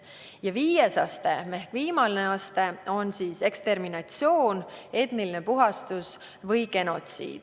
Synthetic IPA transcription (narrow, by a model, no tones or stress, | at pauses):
jɑviːjesɑ̰st̪e̞me̞hkviːmɑlneɑst̪e̞o̞nsiːse̞kst̪e̞rminɑt̪sio̞ːne̞t̪niline̞puɦɑst̪us | vɤjke̞no̞t̪sḭːd̪̥